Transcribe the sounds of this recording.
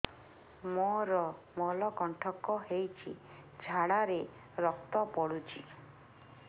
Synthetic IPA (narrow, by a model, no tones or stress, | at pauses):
moɾɔ | mɔlɔkɔɳʈʰɔkɔɦejt͡ʃʰḭ | d͡ʒʱaɽaɾe | ɾɔk̚t̪ɔpɔɽut͡ʃʰi̥